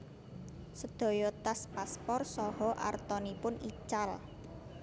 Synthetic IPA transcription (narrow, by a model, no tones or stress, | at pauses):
səd̪̥ɔ̤jɔt̪aspaspɔrsɔhɔʔa̰rt̪ɔnipʊnit͡ʃal